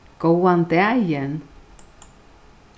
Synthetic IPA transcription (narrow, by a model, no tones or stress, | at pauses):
kowant̪eajɛn